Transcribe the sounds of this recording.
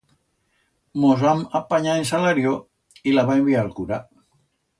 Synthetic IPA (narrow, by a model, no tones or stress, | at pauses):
mozamapaɲaensalaɾjo | ilaβaembialkuɾa